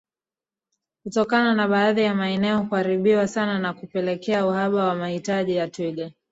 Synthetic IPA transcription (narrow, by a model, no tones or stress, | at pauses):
kutɔkananaɓaːðijamaɛnɛɔkuhaɾiɓiwasananakupɛlɛkɛauhaɓawamahitaʄijatwilɛ